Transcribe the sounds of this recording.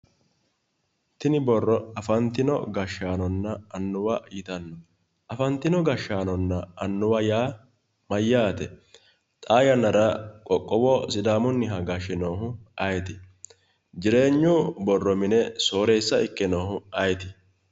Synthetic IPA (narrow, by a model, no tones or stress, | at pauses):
t̪ɪnɪbɔrːɔɐfɐnt̪ːɪnɔ̰ɡɐʃːaːnɔnːɐɐnːʊwɐiːt̪ɐnːɔ | ʔɐfɐnt̪ːɪnɔɡɐʃːaːnɔnːɐɐnːʊwɐjaː | mɐjːaːt̪ɛ | t̪ʼaːjɐnɐɾɐkʼɔkʼːɔwɔsɪd̪aːmɔnːɪɦɐɡɐʃɪnoːɦʊʔɐjt̪ɪ̥ | d͡ʒɪɾe̞ːɲːubɔrːɔmɪnɛso̞ːɾeːsːɐɪkʼːɪnoːhʊɐjɛt̪ɪ